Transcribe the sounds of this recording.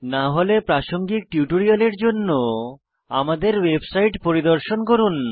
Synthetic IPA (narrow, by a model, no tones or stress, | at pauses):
naɦolepɾaʃoŋɡik̚ʈjuʈoɾialeɾd͡ʑonːo | a̰mad̪eɾwebsajʈpoɾid̪oɾʃonkoɾun